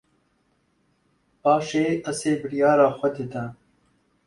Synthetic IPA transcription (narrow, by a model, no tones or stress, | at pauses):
paːʂeːɐseːbɽjaːɾaːxʷɐd̪ed̪a